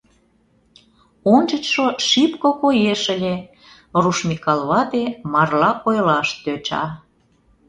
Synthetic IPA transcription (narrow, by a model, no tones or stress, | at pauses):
ont͡ɕə̆t͡ɕʃoʃipkokojeʃəlʲe | ruʃmʲikɑlβɑt̪emɑrlɑʔojlɑʃt̪øt͡ɕɑ̰